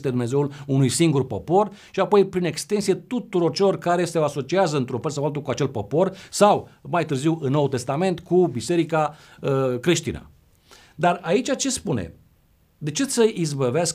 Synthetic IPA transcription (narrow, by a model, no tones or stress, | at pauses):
st̪ed̪umne̞ze̞wulunujsiŋɡurpo̞po̞rʃiapo̞jpɾine̞kst̪e̞nsije̞t̪ut̪uɾo̞rt͡ʃe̞lo̞rkaɾe̞sewaso̞t͡ʃiazəɨnt̪ɾufəs̬awalt̪ukuat͡ʃe̞lpo̞po̞rsawmajt̪ɨrziwɨnːo̞wt̪e̞st̪ame̞nt̪kubise̞ɾika | əkɾiʃt̪ḭnə̰ | d̪arait͡ʃat͡ʃe̞spunḛ | d̪e̞t͡ʃe̞səʔizbəveask